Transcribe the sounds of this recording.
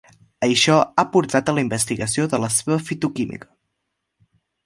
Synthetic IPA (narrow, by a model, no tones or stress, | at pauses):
əʃɔapuɾt̪at̪ələimbəst̪iɣəsioðələseβəfit̪ukimḭkə̥